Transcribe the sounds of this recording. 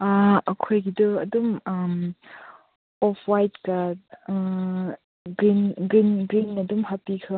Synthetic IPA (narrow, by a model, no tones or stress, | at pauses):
aɐkʰojɡidɯɐdumam | ɔpʰwajt̚ka | ɡinɡɾinɡɾinːɐdumhapikʰɯ